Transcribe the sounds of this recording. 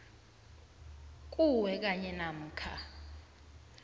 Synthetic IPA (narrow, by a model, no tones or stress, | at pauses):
kʼuwɛk̬ʼaɲɛnam̩ːkʰa̰